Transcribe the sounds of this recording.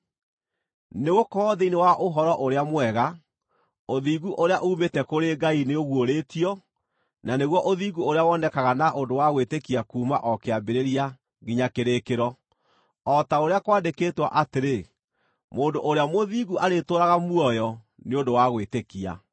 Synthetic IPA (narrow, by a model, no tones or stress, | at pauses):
neɣokɔːðeinewaʔoɦɔɾɔʔoɾeamwɛɣa | oðiːɣuʔoɾeaʔuːmetɛkoɾeɡaineoɣwoɾeːtiɔ | naneɣwɔʔoðiːɡuoɾeawɔnɛkaɣanaʔondowaɣwetekiakuːmaʔɔkeabeɾeɾia | ɣiɲakeɾekeɾɔ | ɔtaoɾeakwaːndekeːtwa̰ʔateɾe | moːndoʔoɾeamoðiɣuʔaɾetoːɾaɣamuɔjɔ | neondowaɣwetekia̰